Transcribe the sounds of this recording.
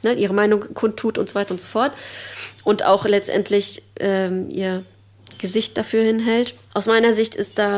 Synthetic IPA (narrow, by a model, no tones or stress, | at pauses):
nəʔiːʁəmaɪnʊŋkʰʊntʰːuːtʔʊntzovaɪtɐʊntz̥ofɔɐtʔʊntʔa̰ʊxlɛt͡stʔɛ̰ntʰlɪçʔɛːʔḭːɐ | ɡ̥əzɪçt̚d̥afyːɐhɪnɦɛltʔaʊsmaɪnɐzɪçtɪstd̥aː